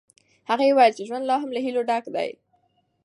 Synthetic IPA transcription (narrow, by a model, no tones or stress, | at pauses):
haɣajewɑjalt͡ʃeʒwand̪lɑɦamlaɦiloɖakd̪a̰j